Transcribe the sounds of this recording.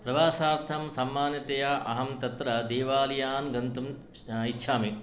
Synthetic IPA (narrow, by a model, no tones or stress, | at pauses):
pɾɐʋaːsaːɾt̪ʰɐmsɐmːaːnjɐt̪ɐjaʔɐɦɐmt̪ɐt̪ɾɐd̪eːʋaːlijaːnɡɐnt̪um | itːʃʰaːmik